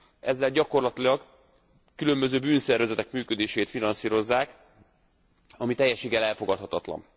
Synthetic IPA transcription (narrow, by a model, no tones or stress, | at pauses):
ɛzːɛlɟɒko̞rlɒt̪ilɒɡ | kylø̞mbø̞zøːbyːnsɛrvɛzɛt̪ɛkmyːkø̞d̪eːʃeːt̪finɒnsiːɾo̞zːaːk | ɒmit̪ɛjːɛʃːeːɡɛlɛlfo̞ɡɒt̪hɒt̪ɒt̪lɒ̰n